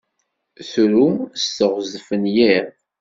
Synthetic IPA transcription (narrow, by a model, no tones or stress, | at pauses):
θɾumstəʁzəfənjiɾ